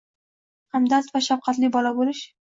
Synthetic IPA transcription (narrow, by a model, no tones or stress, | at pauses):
hamd̪ast̪vaʃafqʰɑt̪lɪbɒlabolɪʃ